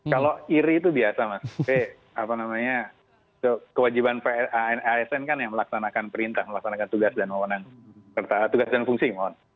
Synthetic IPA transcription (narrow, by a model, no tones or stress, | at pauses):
kaloiɾiːt̪ubiasamase | apanamaɲa | t̪ukəwad͡ʒibanpeʔaɛnaɛsɛnkanjaŋməlaksanakanpəɾint̪ahməlaksanakant̪uɡasdanməmənaŋsərt̪at̪uɡasdanfuŋsiman